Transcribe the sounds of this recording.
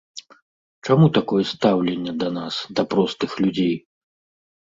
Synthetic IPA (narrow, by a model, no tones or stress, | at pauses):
t͡ʂamut̪akɔjɛst̪awlʲɛnʲːɛd̪ɐnasd̪ɐpɾɔst̪ɨxlʲud͡zʲej